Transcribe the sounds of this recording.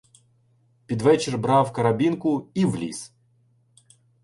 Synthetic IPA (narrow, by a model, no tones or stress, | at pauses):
pʲid̪ʋɛt͡ʃɪrbɾawkɐɾabʲinkʊiʋlʲḭs